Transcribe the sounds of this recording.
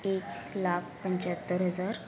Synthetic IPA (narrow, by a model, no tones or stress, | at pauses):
eklakʰpəɲt͡ɕat̪ːəɾɦəd͡zaɾ